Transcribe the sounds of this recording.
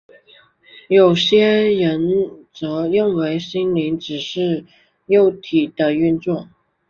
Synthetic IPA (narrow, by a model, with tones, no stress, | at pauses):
jo˨˩ʊɕjɛ˥ɻə˧˥nt͡sɤ˧˥ɻə˥˩nwe˧˥ɪɕi˥nli˧˥ŋʈ͡ʂɻ̩˨˩ʂɻ̩˥˩ | jo˥˩ʊt̪ʰi˨˩d̪̥ə˦y˥˧nt͡sʊ˥˩ŋ